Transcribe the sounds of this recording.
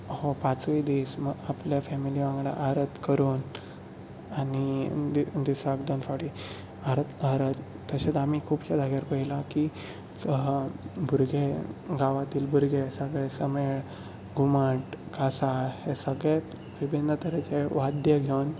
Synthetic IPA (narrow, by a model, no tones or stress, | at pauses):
hopat͡sʋid̪isməapljafɛmiliʋãŋɡɽa̰ʔaɾət̪kəɾuːn | ani | d̪isakd̪onfaɽi | aɾt̪aɾət̪ːəɕet̪amikʰuːbɕad̪ʱaɡjaɾpəɦilaki | t͡sə | bʱuɾɡʱeɡaʋat̪iːlbʱuɾɡesəɡɭɛsəmeɭ | ɡʱumaʈɡasaɭhesəɡɭe | ʋibʱinːət̪əɾet͡ɕeʋad̪jəɡʱewn